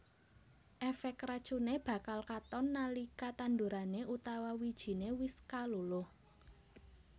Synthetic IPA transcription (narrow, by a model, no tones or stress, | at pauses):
ʔɛfɛkɾḁt͡ʃuneb̥ä̤kalkat̪ɔnːalikat̪and̪uɾaneʔut̪awawid̥ʒ̥i̤newɪskalulʊh